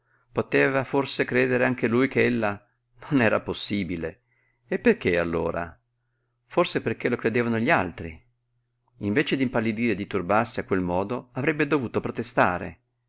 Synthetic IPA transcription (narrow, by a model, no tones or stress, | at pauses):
pot̪eːvaforsekɾeːd̪eɾeaŋk̟elujk̟eelːa | nonɛːɾaposːiːbile | epːerk̟ealːo̰ːɾa̰ | forseperk̟elokɾed̪eːvanoʎialt̪ɾi | iɱveːt͡ʃed̪impalːid̪iːɾed̪ːit̪urbarsiakːwelmɔːd̪oavɾɛbːed̪ovuːt̪opɾot̪est̪a̰ːɾḛ